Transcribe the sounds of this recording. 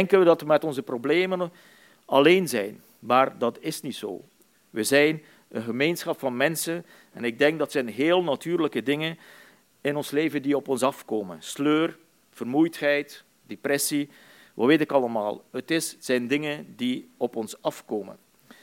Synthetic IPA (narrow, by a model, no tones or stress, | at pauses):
ɛŋkənʋədɑtʋəmɛtɔnzəprobleːmən | ɑleːnzɛjn | maːrdɑtɪsnitso̰ː | ʋəzɛjn | ənɣəmeːnsxɑpfɑnmɛnsən | ɛnɪɡ̚dɛŋɡ̚dɑtsɛjnɦeːlˠnatyːrləkədɪŋən | ɪnɔnsleːvəndiɔpɔnsɑfkoːmənsløːr | v̥ərmujthɛjt | d̥eprɛsi | ʋɑ̰ʋeːtɪkɑləma̰ːlˠɦətɪsz̥ɛjndɪŋəndiɔpɔnsɑfkoːmə̰n